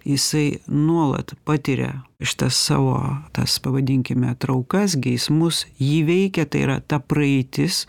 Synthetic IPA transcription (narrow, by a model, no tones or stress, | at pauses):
jɪsɐɪnuɔlˠɐ̰t̪pɑːt̪ʲɪɾʲɛ̰ʃʲɪ̥t̪ɐsːɑ̰ːʋo̰ːt̪ɐ̰spɐʋɐd̪ʲɪŋʲkʲɪmʲɛt̪ɾɐʊkɐsɡʲɪjɪsmʊsjiːʋʲɛɪkʲɛt̪ɐɪḭɾɐ̰t̪ɐprɐɛɪt̪ʲɪs